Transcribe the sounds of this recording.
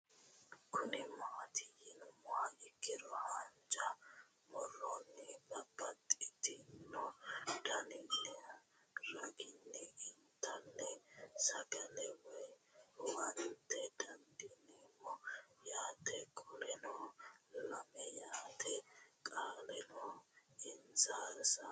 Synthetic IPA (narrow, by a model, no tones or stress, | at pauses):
kʊnɪmat̪ɪjɪnʊmɔaʔɪkːɪɾɔhɐnd͡ʒɐ | mɔrːɔnːɪbɐbːɐt̪ʼɪt̪ɪnːɔd̪̥ɐnɪnːɛ | ɾɐɡɪnːɪɪnt̪ːɐnːɛsɐɡɐlɛwɔjwɐnt̪ɛd̪ɐnd̪inimɔjaːt̪ɛkʼɔlɛnɔlɐmɛjaːt̪ʰɛkʼaːlɛnɔɪnzaːɾsɐ